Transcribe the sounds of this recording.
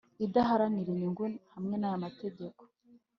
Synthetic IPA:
idaɦaɾaniɾiɲiŋɡunihamŋe̞najamate̞ɟeko̥

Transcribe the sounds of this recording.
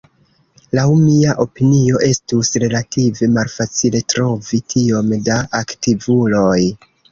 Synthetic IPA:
lawmiaʔo̞pinio̞ʔe̞stusɾe̞lative̞malfat͡sile̞tɾo̞vitʰio̞mdaʔaktivulo̞j

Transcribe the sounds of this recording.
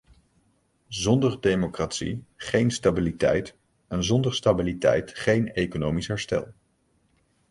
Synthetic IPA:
zɔndəɹdejmokratsḭχejnstabilitɛ̰jt | ɛnzɔndəɹstabilitɛ̰jtχejnejkonowmisɦɛɹstɛ̰lˠ

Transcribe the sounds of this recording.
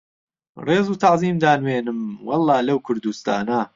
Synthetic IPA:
reːzuːt̪ʰaʕziːmd̪aːnweːnɨmwɑlˠːɑːlɐwkʰʊɾd̪ust̪a̰ːnɐ

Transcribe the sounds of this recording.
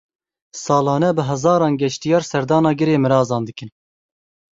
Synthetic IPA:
sɑːlɑːnɛbɨɦɛzɑːɾɑːnɡʲɛʃt̪ijɑːɾsɛɾd̪ɑːnɑːɡɨɾeːmɨɾɑːzɑːnd̪ɨkɨn

